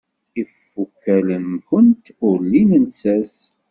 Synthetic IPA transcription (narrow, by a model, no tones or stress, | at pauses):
ifːukːælənxənt̪ʊɾlinənsæs